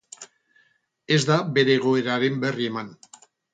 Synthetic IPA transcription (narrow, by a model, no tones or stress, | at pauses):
e̞zd̪abe̞ɾeːɣ̞o̞eɾaɾe̞mbe̞rie̞man